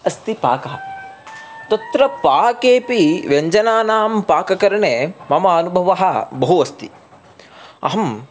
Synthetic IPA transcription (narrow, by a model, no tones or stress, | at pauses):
ɐst̪ipa̰ːkɐɦɐ | t̪ɐt̪ɾɐpaːkeːpiʋeɲd͡ʒɐnaːnaːmpaːkɐkɐɾɐɳeːmɐmɐɐnubʱɐʋɐɦɐ̆bɐɦuɐst̪i | ɐ̰ɦɐm